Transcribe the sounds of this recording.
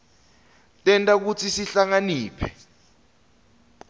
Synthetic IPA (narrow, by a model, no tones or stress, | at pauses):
tʼɛntʼak̬ut͡sʰisiɬaŋaniːpʰɛ